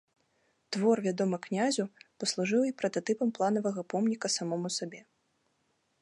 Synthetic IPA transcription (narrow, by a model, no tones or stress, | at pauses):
t̪vɔrvʲad̪ɔmɐknʲazʲupɐslˠuʐɨwipɾɐt̪at̪ɨpɐmplˠanɐvɐɣɐpɔmnʲikɐsamɔmusabʲɛ